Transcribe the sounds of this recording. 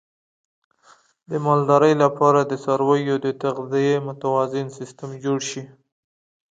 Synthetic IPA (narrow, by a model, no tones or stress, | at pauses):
d̪əmɑld̪ɑɾəjlapʰɑɾad̪əsɑɾwajod̪ət̪aɣd̪ijemʊt̪awɑzɪnsɪst̪əmd͡ʒoɽʃi